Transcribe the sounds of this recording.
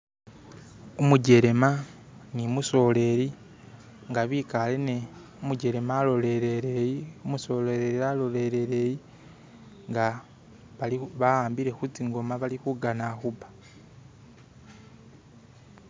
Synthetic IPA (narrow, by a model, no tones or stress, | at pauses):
umuɟe̞ɾe̞ma | nimuso̞le̞ɾi | ŋɡaβikale̞ne | omuɟe̞ɾe̞malo̞le̞ɾeɾejiumuso̞leɾeɾialo̞le̞ɾe̞ɾe̞ji | ŋɡa | βaliβaaːmbiɾe̞xut͡siŋɡo̞maβalixuɡanaxubḁ